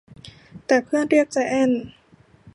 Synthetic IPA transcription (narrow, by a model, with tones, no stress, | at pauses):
t̪ɛː˨˩pʰɯ˥˩ənɾi˥˩ək̚t͡ɕa˧˩ʔɛ˥˩n